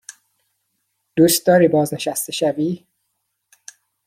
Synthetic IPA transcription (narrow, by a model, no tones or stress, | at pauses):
d̪̥ust̪ɒɾibɒːzneʃæst̪eʃævi